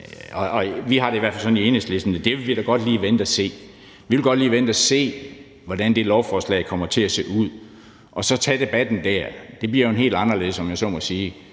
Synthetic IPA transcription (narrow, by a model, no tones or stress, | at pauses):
ɒʔɒ̽ʋiɦɑ̈ɾeiʋæɐ̰fælsɒ̽nie̝ːnəsd̥le̝sd̥n̩əd̥e̝ʋeʋid̥æɡ̥ɒ̽d̥liːʋend̥æse̝̰ː | ʋiʋelɡ̥ɒ̽d̥liːʋend̥æse̝̰ː | ʋɒd̥ænd̥e̝lɒʊfɒːslɛ̰ːɪkʰɒ̽m̰ɐt͡sʰe̝æse̝uð̞̰ˠ | ʔɒ̽sɒ̽t͡sʰɛ̰d̥e̝b̥æd̥n̩d̥æɐd̥e̝b̥liɐjonɦe̝̰ːld̥ɑ̈nɐle̝ðˠsɒ̽mjasɒ̽mɒsiː